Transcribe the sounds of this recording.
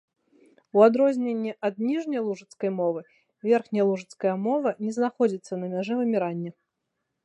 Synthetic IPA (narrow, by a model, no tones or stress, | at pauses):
uad̪ɾɔzʲnʲenʲːɛʔɐd̪̚nʲiʐnʲɐjlˠuʐɨt̪skɐjmɔvɨ | vʲɛrxnʲɐjlˠuʐɨt̪skɐjɐmɔvɐnʲɛznaxɔd͡zʲit̪sːɐnɐmʲaʐɛvɨmʲiɾanʲːɛ